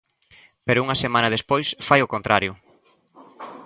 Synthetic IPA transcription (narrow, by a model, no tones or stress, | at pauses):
peɾʊuŋɐsemãnɐðespojsfajʊkõnt̪ɾaɾjʊ